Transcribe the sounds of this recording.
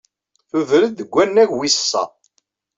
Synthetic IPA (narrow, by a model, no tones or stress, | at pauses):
θuvɾəd̪ːəɡʷːænːæʝwisə̥sːɑ̰